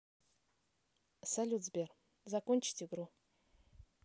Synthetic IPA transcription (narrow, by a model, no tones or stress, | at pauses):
salʲut̪zbʲer | zakonʲt͡ʃi̥t̪ʲiɡɾu